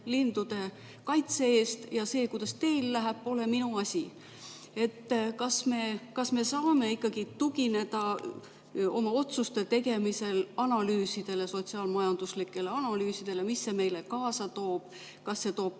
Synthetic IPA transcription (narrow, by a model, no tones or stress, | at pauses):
lind̪̥ud̪̥e̞ | kɑjt̪se̞eːst̪jɑse̞ːkujd̪̥ɑst̪e̞jlːæɦæpːo̞le̞minuɑsʲi | e̞t̪ːkɑsme̞kɑsme̞sɑːme̞ikˑːɑɡ̥it̪uɡ̥ine̞d̪̥ɑ | o̞mɑo̞t̪sust̪e̞t̪e̞ɡe̞mise̞lɑnɑlyːsid̪̥e̞le̞so̞t̪siɑːlmɑjɑnd̪̥uslikːˑe̞leɑnɑlyːsid̪̥e̞le̞misːe̞me̞jle̞kɑːsɑt̪o̞ːb̥ | kɑsːe̞t̪o̞ːb̥̚